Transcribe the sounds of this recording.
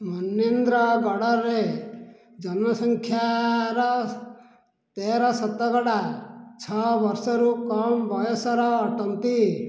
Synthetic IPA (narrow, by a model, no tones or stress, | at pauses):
mɔnend̪ɾɔɡɔɽɔɾe | d͡ʒɔnɔsɔŋkʰjaɾɔ | t̪eɾɔsɔt̪ːɔɡɔɽat͡ʃʰɔbɔɾsɔɾukɔmbɔjɔsɔɾɔːʈɔnt̪i